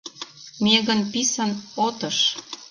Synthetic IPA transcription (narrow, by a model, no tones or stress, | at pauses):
meɣənpisənot̪ə̆ʃ